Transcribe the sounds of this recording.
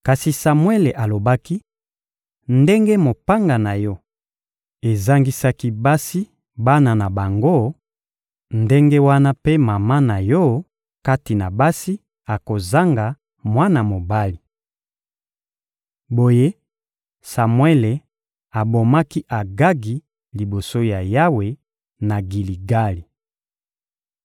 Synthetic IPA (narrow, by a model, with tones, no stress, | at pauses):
ka˨si˨sa˨mwe˦le˨ʔa˨lo˨ba˦ki˦ | nde˦ŋɡe˦mo˨pa˦ŋɡa˨na˨jɔ˦ | e˨za˦ŋɡi˦sa˦ki˦ba˦si˦ | ba˦na˨na˨ba˨ŋɡo˦ | nde˦ŋɡe˦wa˦na˦pe˦ma˨ma˦na˨jɔ˦ | ka˦ti˨na˨ba˦si˦ | a˨ko˨za˦ŋɡa˨ | mwa˦na˨mo˨ba˦li˨ | bo˦je˦ | sa˨mwe˦le˨ | a˨bo˨ma˦ki˦ʔa˨ɡa˦ɡi˨ | li˨bo˨so˦ja˨ja˦we˨ | na˨ɡi˨li˨ɡa˦li˨